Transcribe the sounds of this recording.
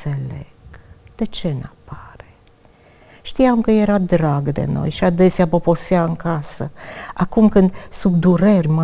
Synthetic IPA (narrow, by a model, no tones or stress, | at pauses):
elḛɡ̥d̪̥e̞t͡ʃe̞napaɾe | ʃt̪iamkəje̞ɾad̪ɾaɡd̪ḛno̰jʃiad̪e̞seapoposiaɨŋkasəakumkɨnd̪subd̪uɾerʲma